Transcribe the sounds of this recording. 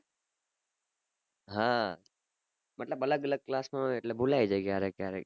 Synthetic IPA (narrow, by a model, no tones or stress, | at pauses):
ɦã | məʈləbələɡələɡ̚klasmãeʈlebulajd͡ʒekjaɾekjaɾḛk